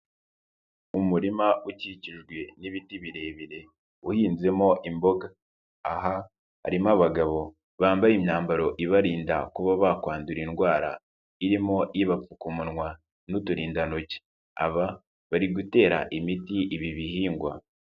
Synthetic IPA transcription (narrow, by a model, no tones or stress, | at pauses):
umuɾimauciciʒɡwe̞niβitiβiɾe̞ːβiɾe̞ | uhiːnze̞mo̞ʔimbo̞ɡaː | ɦa | ha̰ɾimaβaɡaβo̞ | βaːmbajimɲaːmbaɾo̞ʔiβaɾiːnda̰kuβaβakwaːnduɾinɡwaːɾa̰ | iɾimo̞ʔiiβap͡fukumunŋwa | nutuɾiːndanoce̥ | a̰βa | βaɾiɡute̞ːɾa̰ʔimitiʔiβiβihiːŋɡwa̰